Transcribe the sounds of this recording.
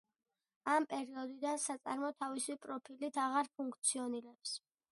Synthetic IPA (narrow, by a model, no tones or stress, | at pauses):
ampʼɛɾiɔd̪id̪ansat̪sʼa̰ɾmɔt̪ʰavisipʼɾɔpʰilit̪ʰaʁaɾpʰuŋkʰt̪sʰiɔniɾɛps